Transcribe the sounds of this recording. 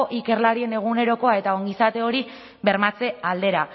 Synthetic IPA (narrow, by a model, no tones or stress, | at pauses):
ʔike̞rlaɾie̞ne̞ɣ̞une̞ɾo̞ko̞ae̞t̪aoŋɡisat̪e̞o̞ɾi | βe̞ɾmat͡se̞ald̪e̞ɾa